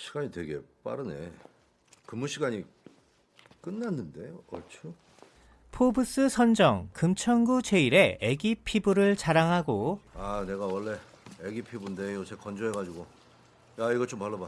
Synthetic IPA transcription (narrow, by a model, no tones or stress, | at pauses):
ɕʰi̥ɡ̥aɲitwe̞ɡe̞p͈a̰ɾɯne̞̰ | kɯmːuɕʰiɡaɲi | k͈ɯnːanːɯnde̞joʌt͡ɕʰo | pʰobɯs͈ɯsʰʌnd͡ʑʌŋkɯmt͡ɕʰʌnɡut͡ɕe̞iɾe̞eɡipʰibuɾɯɭt͡ɕaɾaŋɦaɡoane̞ɡawʌɭːe̞ | eɡipʰibunde̞jot͡ɕʰekʌnd͡ʑʌɦeɡad͡ʑiɡo | jaiɡʌt͡ɕompaɭːoba